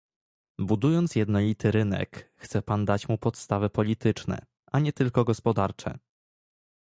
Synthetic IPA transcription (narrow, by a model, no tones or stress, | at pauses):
bud̪ujɔnt̪sjɛd̪nɔlʲit̪ʰɘɾɘnɛ̰kxt̪sɛpand̪at͡ɕmupɔt̪st̪avɛpɔlʲit̪ɘt͡ʂnɛ̰ | ʔaɲɛt̪ɘlkɔɡɔspɔd̪aɾt͡ʂɛ̰